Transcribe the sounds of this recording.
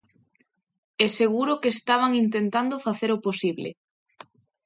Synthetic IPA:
ɛseɣ̞uɾokeːst̪aβ̞aŋint̪̬ent̪and̪ofaθeɾoposiβlḛ

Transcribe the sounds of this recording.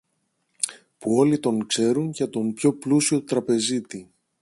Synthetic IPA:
puo̞lit̪o̞ŋkse̞ɾunʝɐt̪o̞mpço̞plusio̞t̪ɾɐpe̞zit̪i

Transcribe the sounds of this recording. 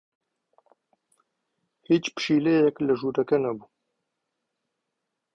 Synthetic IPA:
hiːt͡ʃpɨ̥ʃiːlejɛklɨʒuːɾɐkɛnɛbuː

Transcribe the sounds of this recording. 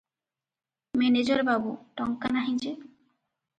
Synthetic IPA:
mɛned͡ʑaɾbabuʈɔŋkanaɦĩd͡ʑe

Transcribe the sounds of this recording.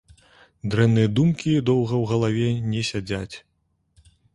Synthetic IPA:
d̪ɾɛmnɨjɐd̪umkʲid̪ɔwɣɐwɣɐlˠavʲɛnʲɛsʲad͡zʲat͡sʲ

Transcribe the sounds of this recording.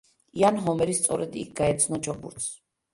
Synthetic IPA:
ianɦɔmɛɾist̪sʼɔɾɛd̪ḭk̚ʰɡaɛt̪sʰnɔt͡ʃʰɔbṵɾt̪ʰs

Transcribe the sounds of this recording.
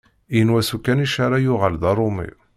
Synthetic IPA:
jənwæsukːæniʃaɾˤɑjʊʁalðɑɾˤʊmḭ

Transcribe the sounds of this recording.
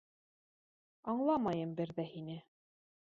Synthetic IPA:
ɑɴlˠɑmɑjɤmbɘɾðæhinɘ

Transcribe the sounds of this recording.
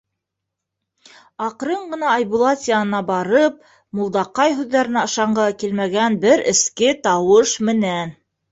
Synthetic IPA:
ɑqɾɤɴɢɤ̆nɑːjbulˠɑt̪ʲiaɤ̆nɑbɑɾɤp̚ | mulˠd̪ɑqɑjɦʉðːæɾɘ̆næɤ̆ʃɑɴɢɑkilmæɡænbɘɾɘ̰̆skɘt̪ɑwɤʃmɘ̆næn

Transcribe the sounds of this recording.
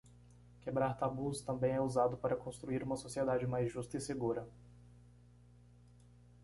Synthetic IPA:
kebɾaɾt̪abust̪ɐ̃mbẽj̃ɛuzad̪ʊpaɾɐkõst̪ɾuiɾũmɐsosied̪ad͡ʒɪmajzʒust̪ɐɪseɡuɾɐ

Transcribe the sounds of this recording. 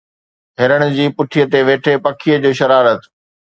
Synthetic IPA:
ɦɪɾəɽ̃ʊd͡ʑiːpʊʈʰijət̪eʋeːʈʰepɐkʰijəd͡ʑoːʃɐɾaːɾət̪

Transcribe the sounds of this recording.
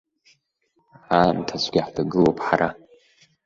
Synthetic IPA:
antʰasʷɡʲaħdaɡɨlopʰʼħaɾʔa

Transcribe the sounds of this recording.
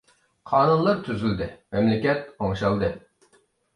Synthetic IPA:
qʰɑːnunlˠɑɾt̪ʰyzyld̪ɪmɛmlɪkʲɛt̪̚oŋʃɑlˠd̪ɨ

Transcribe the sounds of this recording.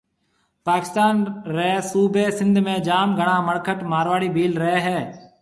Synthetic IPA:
paːkɪ̥st̪aːnɾəɦesuːbeːsɪ̃nd̪ʱmẽːd͡ʒaːmɡʱəɳãːməɽkʰəʈmaːɾʋaːɽiːbʱiːlɾəɦeːɦɛː

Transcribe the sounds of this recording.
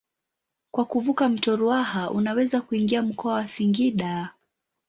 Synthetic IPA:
kwakuvukam̩tɔɾuahaʔunawɛzakuiŋɡiam̩kɔawasiŋɡiɗa

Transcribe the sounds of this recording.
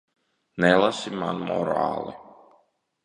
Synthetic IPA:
nɛlˠasima̰nmɔ̰ɾa̰ːlˠḭ

